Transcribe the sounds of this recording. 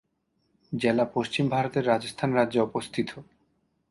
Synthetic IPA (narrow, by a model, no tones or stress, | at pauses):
d͡ʑelapoʃt͡ɕimbʱaɾot̪eɾːad͡ʑost̪ʰanɾadːd͡ʑeɔpost̪ʰit̪ʰo